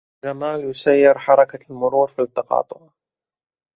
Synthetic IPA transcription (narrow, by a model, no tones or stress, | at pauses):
d͡ʒamaːljʊsajːɪɾħɑɾˤɑkalmʊɾuːɾfit̪ːɑqɑ̰ːt̪ˤʊ̰ʕ